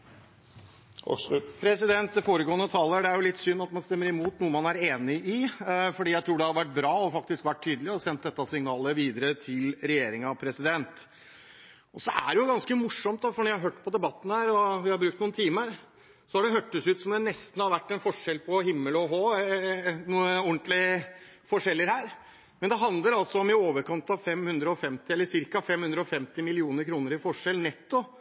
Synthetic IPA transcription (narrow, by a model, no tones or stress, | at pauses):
pʰɾɛsɪd̪ɛnt̪̚d̪ɛfoːɾəɡoːənət̪ʰɑːləɖ̪ɛæɾjʊlɪt̪ːsʏnːɑt̪mɑnst̪ɛmːəɾɪmuːt̪nuːəmɑnæɾeːnɪʔɪfɔɖiːjæɪt̪ʰɾuːɖɛhɑɾʋæʈ̚ːbɾɑːɔfɑkt̪ɪskʋæʈ̚t̪ʰːyːd̪əlɪɔsɛnt̪̚d̪ɛt̪ːɑsɪŋnɑːləʋiːd̪əɾət̪ʰɪlɾɛjeːɾɪŋɑʋpʰɾɛsɪd̪ɛnt̪ | ɔsɔʔæɖɛjʊɡɑnskəmʊʂːɔmt̪̚d̪ɑfɔɳɔjæhɑɾɦøːʈːpʰɔd̪ɛbɑt̪ːn̩hæːɾɔʋɪhɑɾbɾʉːk̚t̪nuːnt̪ʰiːməɾ | sɔhɑɖɛɦøːʈːəsʉːt̪sɔmd̪ɛnɛst̪n̩hɑɾʋæʈːɛnfɔʂɛlpʰɔhɪmːəlɔɦoː | nuːəɔɳt̪lɪfɔʂɛlːəɾhæːɾ | mɛnd̪ɛɦɑnd̪ləɾɑlsɔɔmɪoːʋəɾkɑnt̪ɑʋfɛmːhʉnd̪ɾəɔfɛmt̪ɪɛlːəʂɪɾkɑfɛmːhʉnd̪ɾəɔfɛmt̪ɪmɪlɪuːnəɾkʰɾuːnəɾɪfɔʂɛlnɛt̪ːʊ